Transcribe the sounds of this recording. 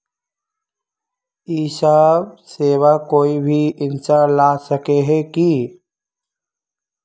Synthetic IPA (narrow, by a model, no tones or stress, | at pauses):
iːsaseːwakoːibʱiɪ̃nt͡ʃalaːsəkeɦɛki